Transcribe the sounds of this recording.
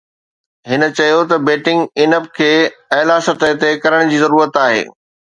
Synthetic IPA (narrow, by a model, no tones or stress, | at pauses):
ɦɪnə̆t͡ɕɐjot̪ɐbeːʈɪ̃ŋɡɪnəp̚kʰeːɐːlasɐɾt̪əɦt̪ekɐɾəɽ̃d͡ʑiːzɐɾuːɾət̪aːɦḛː